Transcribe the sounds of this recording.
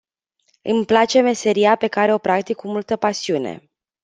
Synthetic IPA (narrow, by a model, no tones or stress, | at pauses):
ɨmplat͡ʃe̞me̞se̞ɾiape̞kaɾe̞o̞pɾakt̪ikːumult̪əpasiune̞̰